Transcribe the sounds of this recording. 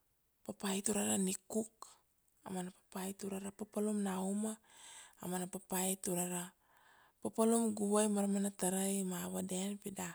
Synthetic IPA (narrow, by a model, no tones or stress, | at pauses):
papajtuɾaɾanikuk | a̰manapḁpajtuɾaɾapapalumnauma̰ː | manapapajtuɾaɾa | papalumɡuβajmaɾamanataɾajmaβadenpida